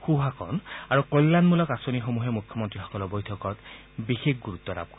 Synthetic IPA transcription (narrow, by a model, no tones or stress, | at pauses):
xuɦakʰɔ̰naɹukojlːanmulɔkasonixomuɦɛmukʰjɔmɔntɹixɔ̥kɔlɔɹbojtʰɔkɔt | bixekɡuɹut̪ːɔɾa̰b̚kɔ